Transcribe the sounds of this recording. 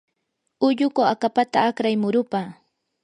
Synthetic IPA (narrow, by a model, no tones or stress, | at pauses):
ʊʎʊkoakapat̪aːkɾajmʊɾʊpaː